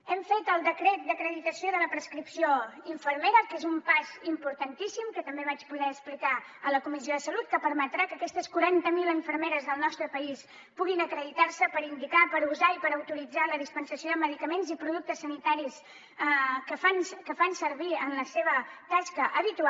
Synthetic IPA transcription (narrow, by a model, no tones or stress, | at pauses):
ɛmfet̪əlˠd̪əkɾɛt̪̚d̪əkɾəðit̪əsioðələpɾəskɾipsioiɱfəɾmeɾəkezumpazimpuɾt̪ənt̪isimkət̪əmbeβat͡ʃbuðɛəksplika | ələkumisioðəsəlut̪̚kəpəɾmət̪ɾakəkɛst̪əskuɾant̪əmiləɱfəɾmeɾəzðəlˠnɔst̪ɾəpəis | puɣinəkɾəðit̪arsəpəɾind̪ikapəɾuzaipəɾəwt̪uɾid͡zaləðispənsəsioðəməðikəmenzipɾuðuk̚t̪əsːənit̪aɾis | kəfankəfansəɾβiənləseβ̞ət̪askəʔəβit̪ua